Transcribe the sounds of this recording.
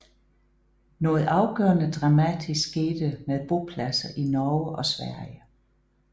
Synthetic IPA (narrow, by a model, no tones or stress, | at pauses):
nɔ̽ːð̞̩ˠɑ̈ʊɡ̥œ̰ːɐnəd̥ʁɑ̈mæd̥ʰisɡ̥eːd̥əmeðˠb̥o̝pʰlæsɐʔinɒːəʔɒ̽sʋæɐ̰jə